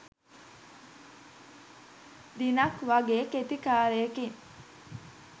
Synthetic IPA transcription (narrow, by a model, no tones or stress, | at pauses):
d̪inɐkʋɐɡeːket̪ikaːɾeːkiŋ